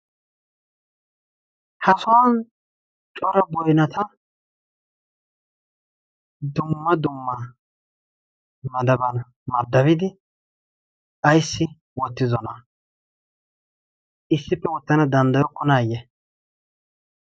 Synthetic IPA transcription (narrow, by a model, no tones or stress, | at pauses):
hɐsɔwan | t͡ʃʼɔɾɐbɔjnɐt̪ʰɐ | d̪ʊmːɐd̪ʊmːɐ | mɐd̪ɐbɐn | mɐɾd̪ɐβɪd̪ɪ | ɐjsːɪ | wɔt̪ːɪzɔnɐ | ɪsːɪpːɛwɔt̪ːɐnɐd̪ɐnd̪ɐjɔkːɔnaːjɛ